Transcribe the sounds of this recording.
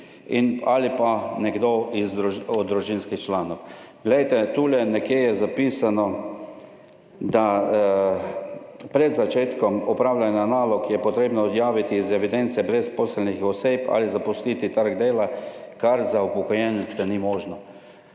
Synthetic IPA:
ina̰lipanɛɡd̪oizɾuɔd̪ɾuʒinskixt͡ʃlaːnɔwɡ̥lɛjt̪ɛt̪uːlɛnɛkjejɛzapiːsanɔ | d̪a | pɾɛd̪zat͡ʃeːt̪kɔmɔpɾaːwlʲjanjanaːlɔkjɛpɔt̪ɾeːbnɔɔd̪jaːʋit̪iːzɛʋid̪ɛnt̪sɛbɾɛspɔːsəlnixɔseːpa̰lizapɔsliːt̪it̪əɾɡd̪eːlakaɾzaupɔkɔjɛnɛt̪sɛnimɔːʒnɔ

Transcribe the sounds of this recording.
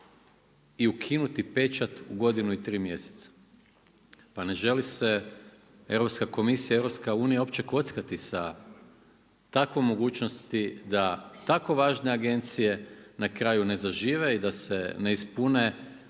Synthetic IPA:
iukʰinut̪ipe̞t͡ʃat̪uɡo̞d̪inuit̪ɾiːmje̞se̥t̪sḁ | pane̞ʒe̞lise̞ | e̞wɾopskako̞misijaieɾopskauːnijao̞pt͡ɕe̞ko̞t̪skat̪isa | t̪akʋojmo̞ɡuːt͡ʃnost̪id̪at̪ako̞ʋaːʒneaɡe̞nt̪sije̞nakɾajune̞zaʒiːʋe̞id̪ase̞ne̞ispune̞

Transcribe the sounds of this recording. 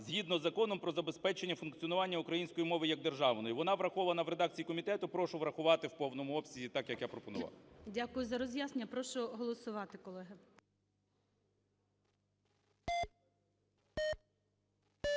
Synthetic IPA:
zɦʲid̪nɔzːɐkɔnɔmpɾɔzɐbe̞spɛt͡ʃenʲːɐfʊnkt͡sʲiɔnʊʋɑnʲːɐukɾɐjinʲsʲkɔjimɔʋɪjɐɡ̚d̪erʒɑʋnɔjiʋɔnɑʋɾɐxɔʋɐnɐʋɾe̞d̪ɑk̚t͡sʲijikɔmʲit̪ɛt̪ʊpɾɔʃʊʋɾɐxʊʋɑt̪ɪwpɔwnɔmʊɔpsʲizʲit̪ɑkjɐkjapɾɔpɔnʊ̰ʋɑ̰wdʲakʊjʊzɐɾɔzʲjaznʲeɐpɾɔʃʊɦɔlˠɔsʊʋɑt̪ɪkɔlˠɛɦɪ

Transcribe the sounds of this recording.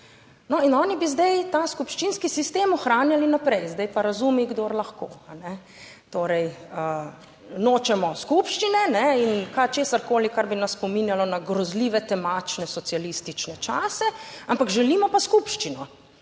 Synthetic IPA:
nɔinɔːnibizd̪ɛjt̪askupʃt͡ʃinskisist̪eːmɔxɾaːnjalinapɾɛjzd̪ɛjpaɾazumiɡd̪oːɾlaxkoːanɛ | t̪oːɾɛjə | noːt͡ʃɛmɔskupʃt͡ʃinɛnɛinkat͡ʃeːsaɾkoːlikaɾbinasːpɔminjalɔnaɡɾɔzliːʋɛt̪ɛmaːt͡ʃnɛsɔsijalist̪it͡ʃnɛt͡ʃaːsɛampakʒɛlimɔpaskupʃt͡ʃinɔ

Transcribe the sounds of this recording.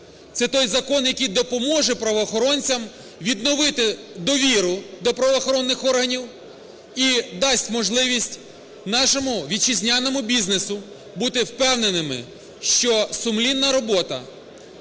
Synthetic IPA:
t̪sɛt̪ɔjzɐkɔnjɐkɨjd̪ɔpɔmɔʒɛpɾɐʋɔːxɔɾɔnʲt͡sʲɐm | ʋʲid̪nɔʋɪt̪ɪ | d̪ɔʋʲiɾʊd̪ɔpɾɐʋɔːxɔɾɔnːɪxɔrɦɐnʲiw | id̪ɑsʲtʲmɔʒlˠɪʋʲisʲtʲ | nɑʃɔmʊʋʲid̪̚t͡ʃizʲnʲanɔmʊbʲiznesʊ | but̪ɪwpɛwnenɪmɪ̰ | ʃt͡ʃɔsʊmlʲinːɐɾɔbɔt̪ɐ̰

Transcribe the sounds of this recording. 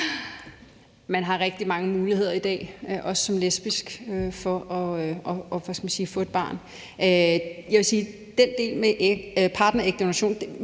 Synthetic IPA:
mænɦɑ̈ʁɛɡ̥̚d̥imɑ̈ŋəmuːlihe̝ð̞̰ˠɐid̥ɛ̰ːøʔɒ̽ssɒ̽mlesb̥isɡ̥øfɒ̽ʔɒ̽øʔɒ̽ːʋæsɡ̥æmænsiːfɔ̰̽ed̚b̥ɑ̰̈ːn | øjæʋe̝siː | d̥end̥e̝̰ːlmeʔpʰɑ̈ːd̥nɐeɡ̥̚d̥o̝næɕo̝̰ːnd̥

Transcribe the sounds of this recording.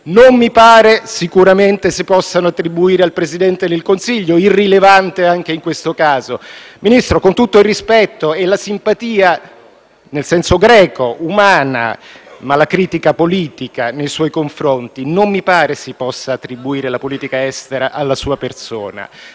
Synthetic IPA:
nommipaːɾesikuɾament̪esepːɔsːanoat̪ːɾibuiːɾealpɾezid̪ɛnt̪ed̪elkonsiʎːoirːilevant̪eaŋk̟eiŋkwest̪okaːzominist̪ɾokont̪ut̪ːoilrːispɛt̪ːoelasimpat̪iːa | nelsɛnsoɡɾɛːkoumaːna̰malakɾiːt̪ikapoliːt̪ikanejswɔjkoɱfɾont̪inomːipaːɾesepːɔsːaːt̪ːɾibuiːɾelapoliːt̪ikaɛst̪eɾaʔalːasuːaperso̰ːna̰

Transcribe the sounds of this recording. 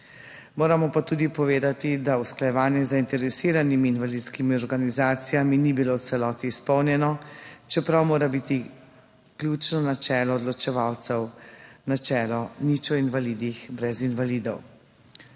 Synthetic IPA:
moːɾamɔpat̪uːd̪ipɔʋeːd̪at̪id̪ausklajɛʋaːnjɛzaint̪ɛɾɛsiːɾanimiːnʋalit̪skimiɔɾɡanizaːt̪sijaminibilowt̪sɛlɔːt̪iːspɔwnjɛnɔt͡ʃɛpɾawmoːɾabit̪i | kljut͡ʃnɔnat͡ʃɛːlɔːd̪lɔt͡ʃɛʋawt̪sɛwnat͡ʃɛːlɔnit͡ʃɔinʋaliːd̪ixbɾɛzinʋalid̪ɔw

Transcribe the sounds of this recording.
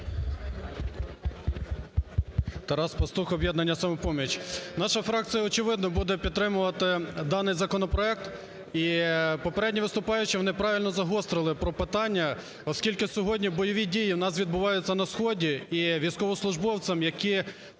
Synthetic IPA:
t̪ɐɾɑspɐst̪uxɔbʲjɛd̪nɐnʲːɐsɐmʊpɔmʲit͡ʃnɑʃɐfɾɑk̚t͡sʲijɐɔt͡ʃɪʋɪd̪nɔbud̪ɛpʲid̪t̪ːɾɪmʊʋɐt̪ɪd̪ɑnɪjzɐkɔnɔpɾɔɛk̚t̪ | ipɔpeɾɛdʲnʲiʋɪst̪ʊpɑjʊt͡ʃɪʋɔnɪpɾɑʋʲilʲnɔzɐɦɔst̪ɾɪlˠɪpɾɔpɪt̪ɑnʲːɐ | ɔskʲilʲkɪsʲɔɦɔdʲnʲibɔjɔʋʲidʲijiwnɑs̬ʋʲid̪bʊʋɑjʊt͡sʲːɐnɐsxɔdʲiiʋʲijskɔʋɔslˠʊʒbɔwt͡s̪ʲɐmjɐki

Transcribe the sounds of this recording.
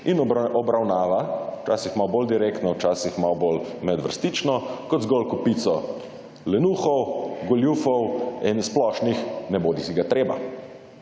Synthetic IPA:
inɔbɾawnaːʋat͡ʃa̰sixmawbold̪iɾekt̪nɔwt͡ʃaːsixmawbolmɛd̪ʋəɾst̪it͡ʃnɔkɔd̪zɡɔlkupit̪sɔ | lɛnuːxɔwɡɔljufɔwɛnsplɔʃnixnɛboːd̪isiɡat̪ɾeːba̰

